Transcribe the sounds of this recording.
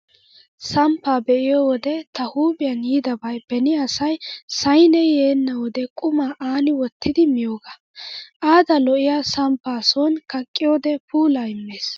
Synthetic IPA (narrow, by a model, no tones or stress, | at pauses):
sɐmpːaːbɛʔɪjowɔd̪ɛt̪ɐhuːbɪjɐnjiːd̪ɐbɐjb̥ɛnɪɐsɐjsɐjnɛjeːnːɐwɔd̪ɛkʼʊmaːʔaːnɪwɔt̪ʰːɪd̪ɪmɪjo̞ːɡɐ | ʔaːd̪ɐlɔʔɪjaːsɐmpːaːsɔnkɐkʼːɪjoːd̪ɛpuːlaːɪmːe̞ːs